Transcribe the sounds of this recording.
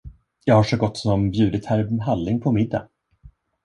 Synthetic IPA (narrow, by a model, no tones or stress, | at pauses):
jɑːɡhaʂɔɡɔt̪ːsɔmbjʉ̟ːd̪ət̪hæɾvmɦalːɪŋpʰɔmɪd̪ːa̰